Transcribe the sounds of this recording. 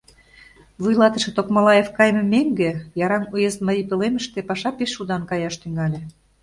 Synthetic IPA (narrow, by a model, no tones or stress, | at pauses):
βujlɑt̪ə̆ʃĕt̪okmɑlɑjefkɑjmə̆meŋɡĕjɑɾɑmujezməipelemə̆ʃt̪epɑʃɑpeʃːud̪ɑnkɑjɑʃt̪yŋɑlʲĕ